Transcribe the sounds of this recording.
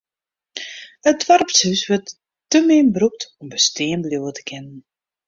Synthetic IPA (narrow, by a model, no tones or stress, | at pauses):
ət̚ʋarpshysʋərtː | əmɪnbruk̚tɔmbəstɪːnbluwətə̥kʰɪnən